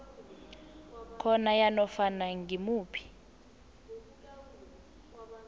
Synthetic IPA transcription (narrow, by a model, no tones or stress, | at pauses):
kʰɔnajanɔfanaŋɡimuːpʰi̥